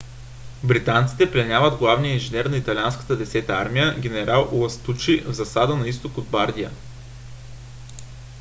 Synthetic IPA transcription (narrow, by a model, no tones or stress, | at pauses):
bɾit̪ant̪si̥t̪ɛplɛnʲjavəd̪ɡlˠavnijəinʒinɛɾnɐit̪ɐlʲianskə̥t̪əd̪ɛsɛt̪əa̰ɾmijəɡʲɛnɛɾalˠuɐst̪ut͡ʃivzɐsad̪ənɐist̪okod̪̚baɾd̪iə